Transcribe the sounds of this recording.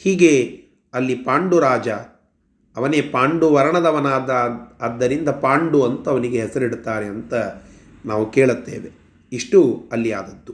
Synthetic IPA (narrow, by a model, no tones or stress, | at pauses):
hiːɡe | ɐlːipaːɳɖuɾaːd͡ʒɐ | ɐʋɐneːpaːɳɖuʋɐɾɐɳɐd̪ɐʋɐnaːd̪ɐːd̪ːɐɾind̪ɐpaːɳɖuɐnt̪ɐɐʋɐniɡeɦɛsɐɾiɽt̪aːɾeɐnt̪ɐ | naːʋukeːɭut̪ːeːʋe̞ | iʂʈuɐlːia̰ːd̪ɐd̪ːu